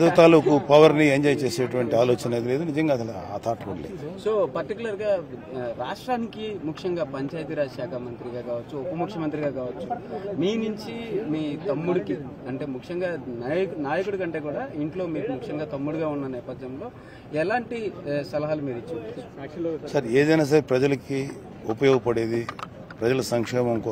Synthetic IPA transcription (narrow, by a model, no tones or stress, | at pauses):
ɐd̪ɐt̪aːlukupɐʋɐɾnieɲd͡ʒɐjt͡ʃe̞ːseːʈuʋɐɳʈiaːloːt͡ʃɐneːd̪ile̞ːd̪unid͡ʒɐŋɡaːsɐlɐa̰ːt̪ʰaːʈɐkṵɽɐlḛso̞ːpɐɾʈikulɐɾɡaːɾaːʂʈɾaːnikimukʂɐŋɡaːpɐɲt͡ʃaːjt̪iɾaːʃaːkʰɐmɐnt̪ɾiɡaːkaːʋɐt͡ʃːuopɐmukʂjɐmɐnt̪ɾiɡaːkaːʋɐt͡ʃːumiːnuɲt͡ʃimiːt̪ɐmːuɽukiɐɳʈe̞ːmukʂɐŋɡaːnaːjɐknaːjɐkuɽukɐɳʈe̞ːkuːɽaːiɳʈlo̞ːmiːkumukʂɐŋɡaːt̪ɐmːuɽuɡaːunːɐnɛːpɐd̪jɐmlo̞ː | ɛlaːɳʈisɐlɐɦaːlumiːɾit͡ʃːi | sɐɾeːd̪ɐjnaːs̬aːɾepɾɐd͡ʒɐlɐki | upɐjɔːɡɐpɐɽeːd̪i | pɾɐd͡ʒɐlɐsɐŋkʂɛːmɐmko